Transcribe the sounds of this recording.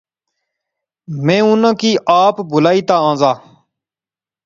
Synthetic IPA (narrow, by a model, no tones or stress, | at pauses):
mẽːʊnãːkiːʔaːpbʊlaːiːt̪aːãːzaː